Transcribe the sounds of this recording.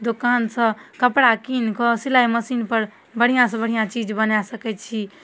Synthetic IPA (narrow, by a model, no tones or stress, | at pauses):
d̪okansə̃kəpɽakinkɔsilajməsinpəɾ | bəɽ̤ijãsə̃bəɽijãt͡ʃid͡ʒbənasəkɛt͡ʃʰi